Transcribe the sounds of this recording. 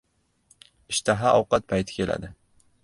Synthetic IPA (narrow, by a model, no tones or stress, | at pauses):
ɪʃt̪ʰaɦaʔɒwqɑt̪̚pʰajt̪ʰɪ̥kʲʰe̞lʔa̰d̪ɪ